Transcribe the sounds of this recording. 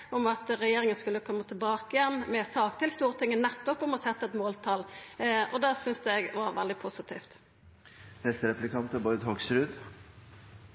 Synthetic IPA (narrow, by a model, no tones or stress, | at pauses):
ɔmɑt̪ɾɛjeːɾɪŋənskʉlːəkʰɔmːət̪ʰɪlbɑːkɪjɛnːmɛsɑːkt̪ʰɪlst̪uːɾət̪ʰɪŋːənɛt̪ːɔpɔmɔsɛt̪ːəɛt̪moːlt̪ʰɑlʔɔd̪ɑːsʏnsd̪ɛɛɡʋɑɾʋɛld̪ɪpʰʊsɪt̪ʰḭːft̪ | hɛst̪əɾɛplɪkɑnt̪əbɔɾd̪hɔksɾʉd̪